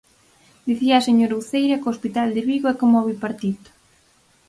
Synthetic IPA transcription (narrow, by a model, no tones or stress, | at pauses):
d̪iθiɐːseɲoɾwθejɾɐkoospit̪ald̪ɪβiɣoɛkomɔβipaɾt̪it̪ʊ̥